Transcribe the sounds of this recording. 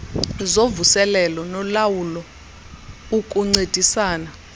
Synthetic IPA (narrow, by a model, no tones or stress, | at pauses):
zovusɛlɛlɔnɔlawulɔ | ukʼuŋ͡ǀed̥ʱisaːna